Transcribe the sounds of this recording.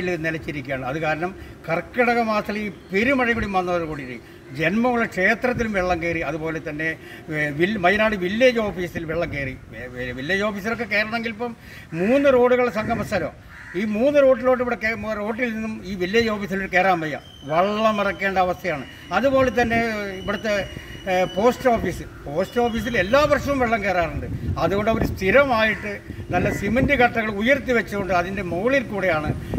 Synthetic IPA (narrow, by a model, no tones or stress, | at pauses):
iɭnelɐt͡ɕːiɾikʲːaːɳɨɐðɨkaːɾɐɳɐmkɐrkːɐɽɐɣɐmaːt̪ɐlipeɾumɐɻɐkuːɽijumːʋɐnːɐːɐkoːɽiɾi | d͡ʑe̞nmɐŋuɭekʂe̞ːt̪rɐt̪̬ːilumʋeɭːɐmkeːriɐðubo̞ːle̞t̪ɐnːe̞ | ʋilmɐjɐnaːɽɨʋilːɐd͡ʑo̞ːfiːsilʋeɭːɐmkeːri | ʋilːjɐd͡ʑo̞ːfiːs̬ɐrokːe̞ke̞ːɾɐɳɐeŋɡilpːɐm | muːnːɨro̞ːɽuɣɐɭsɐŋɡʱɐmɐsːalo̰ː | iːmuːnːɨɾo̞ːʈ̬ːilo̞ːʈ̬ːiʋiɽekero̞ːʈːilninːumiːʋilːjɐd͡ʑo̞ːfiːsɐloɾɨke̞ːɾaːmbɐjɐ̰ | ʋɐɭːɐmɐrɐkːe̞ːɳɖɐːʋɐst̪ʰɐjaːɳɨ | ɐðubo̞ːlet̪ɐnːe̞iʋiɽut̪ːe̞ | po̞ːsʈoːfiːsɨpo̞ːsʈo̞ːfiːs̬ile̞lːaːʋɐrʂɐʋumʋeɭːɐmkeːraːruɳɖɨɐðuɣo̞ɳɖɨɐʋɐɾust̪ʰiɾɐmaːjiʈːɨnɐlːɐsimɐndikɐʈːɐɣɐɭujɐrt̪ːiʋɐt͡ɕːuɣoɳɖɨɐðinde̞moːɭilkuːɽejaːɳɨ